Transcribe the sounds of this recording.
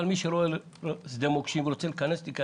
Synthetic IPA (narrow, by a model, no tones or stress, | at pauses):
lmiʃeɾoel | sd̪emokʃimvɾot͡selkanest̪ika